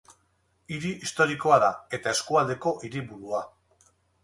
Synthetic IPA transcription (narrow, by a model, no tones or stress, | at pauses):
iɾiist̪o̞ɾikoaðae̞t̪ae̞skuald̪e̞ko̞ʔiɾiβuɾua